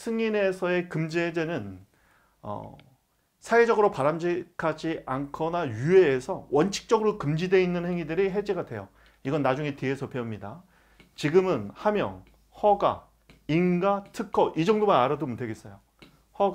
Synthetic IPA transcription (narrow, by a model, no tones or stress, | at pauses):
sʰɯŋine̞sʰʌe̞kɯmd͡ʑiɦed͡ʑenɯn | ʌ̰ | sʰaed͡ʑʌɡɯɾopaɾamd͡ʑikʰad͡ʑiʔankʰʌnajueːsʰʌwʌnt͡ɕʰi̥k̚t͡ɕ͈ʌɡɯɾokɯmd͡ʑidwe̞inːɯnhe̞ŋidɯɾiɦe̞d͡ʑeɡadwe̞jo | iɡʌnːad͡ʑuŋetiesʰʌpʰemɲida̰ | t͡ɕiɡɯmɯnhamjʌ̰ŋ | hʌɡa̰ | inɡatʰɯkʰːʌʔid͡ʑʌŋdomanaɾɯdomutʰeɡe̞s͈ʌjo | hʌ